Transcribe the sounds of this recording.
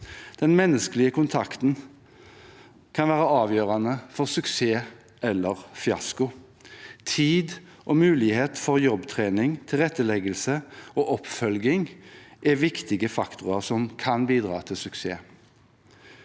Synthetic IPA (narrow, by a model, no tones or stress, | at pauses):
d̪̥ɛnmɛnːəskəlɪəkʰʊnt̪ʰɑkt̪n̩ | kʰɑnʋæːʁəɑːʋjøːʁɑnəfɔʁsʉkseː | ʔɛlːəʁfɪɑ̰skʊ | t̪ʰiːd̪ | ʔomʉːlɪheːt̪fɔʁjɔbt̪ʰʁeːnɪŋt̪ʰɪlʁɛt̪ːəlɛɡəlsəoːʔɔpfœlɡɪŋʔɛʋɪkt̪ɪɡəfɑkt̪ʰʊʁɑʁsɔmkʰɑnbiːd̪ʁɑ̰ːt̪ʰɪlsʉksḛː